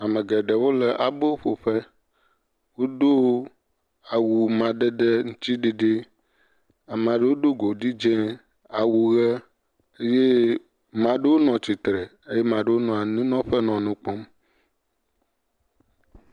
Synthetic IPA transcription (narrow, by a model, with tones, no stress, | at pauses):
a˨mə̃˨ɡɛ˨ɖɛ˨wo˦lə˨ʔa˨bo˦wo˦ɸo˨ɸɛ˦ | wo˦d̪o˦ | a˨wu˨mã˨ɖɛ˦ɖɛ˦ŋũ˦t̪i˦ɖe˨ɖe˦ | a˨m˨ã˨ɖe˦wo˦ɖo˦ɡo˨ɖi˦d͡ʒɛ̃˦ | a˨wu˨ɣɛ˦ | e˦je˦ | mã˨ɖe˦wo˦nɔ̃˨t͡ɕi˨t̪ɾɛ˨ | e˦je˦mã˨ɖe˦wo˦nɔ̃˨a˨nĩ˦nɔ̃˦ɸɛ˦nɔ̃˨nũ˦k͡pɔ˦m